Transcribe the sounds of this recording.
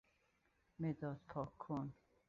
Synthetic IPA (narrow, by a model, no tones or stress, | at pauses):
med̪ɒːd̪̚pʰɒːkʰːon